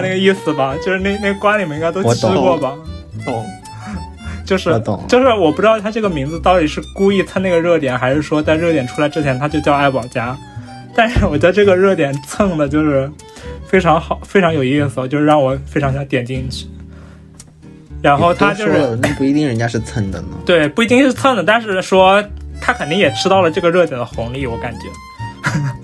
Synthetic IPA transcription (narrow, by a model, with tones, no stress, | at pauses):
na˥˩ɡə˧i˥˩sɹ̩˩bɐ˩t͡ɕjo˥˧ʂɻ̩˥˧ne˥˧ne˥˩ɡə˩kwa˥nli˨˩mə˩˧i˥ŋɡa˥ɪo˥ʊt͡ɕ̩ʰ˥kwɔ˥˩bɐ˩˨˩ | t͡ɕjo˥˧ʊʂɻ̩̰˥˩˨jo˥˧ʊʂɻ̩˥˩wɔ˨˩p̬u˧˩ʈ͡ʂɻ̩˥t̪ʊt̪ʰa˥ʈ͡ʂɤ˥˩ɡə˩mi˧˥ŋd͡zɹ̩˧t̪ɑ˥˩ʊt̪i˨˩ʂɻ̩˥˩ku˥i˥˧t͡sʰa˥˧na˥˩ɡə˩ɻɤ˥˩t̪jɛ˨˩nxa˧˥ɪʂɻ̩˥˩ʂwɔ˥t͡sa˥˧ɪɻɤ˥˩jɛ˨˩nʈ͡ʂʰu˥la˧˥ɪʈ͡ʂɻ̩˥˩t͡ɕʰjɛ˧˥nt̪ʰa˥t͡ɕjo˥˧ʊt͡ɕjɑ˥˧ʊa˥˩ɪpɑ˨˩ʊt͡ɕja˥ | t̪a˥˧nʂɻ̩˥˩wɔ˨˩t͡ɕɥɛ˧˥d̪ə˧ʈ͡ʂɤ˥˩ɡə˩ɻɤ˥˩t̪jɛ˨˩nt͡sʰɤ˥˩ŋd̪ə˩t͡ɕjo˥˧ʊʂɻ̩˥˩ | fe˥ɪʈ͡ʂʰɑ˧˥ŋxɑ˨˩ʊfe˥ɪʈ͡ʂʰɑ˧˥ŋjo˨˩ʊi˥˩s̬̩˨˩˧t͡ɕo˥˧ʂɻ̩˥˧ɻɑ˥˩ŋwɔ˨˧˥fe˥ɪʈ͡ʂʰɑ˧˥ŋɕjɑ˧˥ŋt̪jɛ˨˩nt͡ɕi˥˧ŋt͡ɕʰy̥˥˩ | ɻa˧˥nxo˥˩ʊt̪ʰa˥t͡ɕjo˥˧ʊ˥ʂɻn˥˩pu˥˩i˧˥i˥˩ŋɻə˧˥nt͡ɕja˥ʂɻ̩˥˩t͡sʰə˥˩nd̪ə̰˨n˩t̪we˥˩ɪpu˥˩i˧˥t̪i˥˧ŋʂɻ̩˥˧t͡sʰə˥˩nd̪ə˩t̪a˥˧nʂɻ̩˥˩ʂwɔ˥t̪ʰa˥kʰə˨˩ni˥ŋjɛ˨˩ʈ͡ʂʰɻ̩˥t̪ɑ˥˩ʊlə˩ʈ͡ʂɤ˥˩ɡə˩ɻɤ˥˩t̪jɛ˨˩nd̪ə˦xʊ˧˥ŋli˥˩wɔ˧˥ka˨˩nt͡ɕɥɛ̰˧˥